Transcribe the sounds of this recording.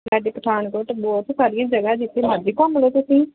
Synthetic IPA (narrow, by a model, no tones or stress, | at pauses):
ɾɛːɖeːkəʈʰaːnkəʈbɔːt̪saːɾɪjãːd͡ʒəɡaːd͡ʒɪt̪ʰːeːməd͡ʒiːkɔ̃ːməloːt̪ʊsĩː